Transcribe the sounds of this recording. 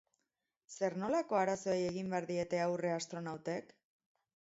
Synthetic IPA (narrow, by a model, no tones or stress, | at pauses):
se̞ɾno̞lako̞aɾaso̞eje̞ɣ̞imbeaɾðie̞t̪e̞awre̞ast̪ɾo̞nawt̪e̞k